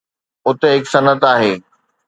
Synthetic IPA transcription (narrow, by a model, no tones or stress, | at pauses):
ʊt̪eɦɪksɐnət̪aːɦeː